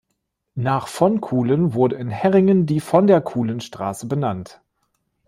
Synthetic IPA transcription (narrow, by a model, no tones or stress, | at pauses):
naːχfɔnkʰuːlənvʊɐdəɪnhɛʁɪŋəndiːfɔndeːɐkʰuːlənʃtʁ̥a̰ːsəbənant